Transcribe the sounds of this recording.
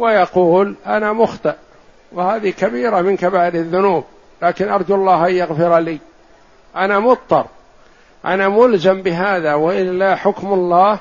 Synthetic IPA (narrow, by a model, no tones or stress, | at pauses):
wajɑquːlʔanamʊxt̪ˤɨʔ | wɪhaːðikabiːɾamɪnkabaːɪlɪðːʊnuːb | laːkɪnʔɑɾˤd̪ɑlˤːɑːhʔanjaɣfɪɾaliː | ʔanamʊt̪ˤːɑɾˤ | ʔa̰namʊlzambɪɦaːðawaʔɪlːaħʊkmalˤːɑːh